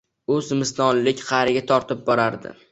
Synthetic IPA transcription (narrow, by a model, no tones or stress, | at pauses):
ɵzmɪst̪ɒnlɪkʲqʰɑɾɪɡʲat̪ʰɒɾt̪ʰɪp̚bɒɾaɾd̪ɪ̰